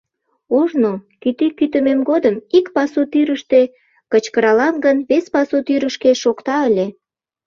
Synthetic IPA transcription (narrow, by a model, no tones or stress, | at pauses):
oʒnokyt̪ikyt̪əmemɡod̪əmikpɑsut̪yɾəʃt̪e | kət͡ɕkəɾɑlɑnɡənβespɑsut̪yɾəʃkeʃokt̪ɑəlʲe